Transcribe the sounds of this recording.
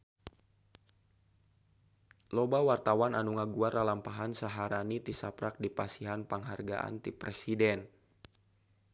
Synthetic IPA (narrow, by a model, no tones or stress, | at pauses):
lɔbawart̪awananuŋaɡuaralampaɦansaɦaɾanit̪isapɾak̚dipasiɦanpaŋɦarɡa̰ʔa̰nt̪ipɾɛsidɛn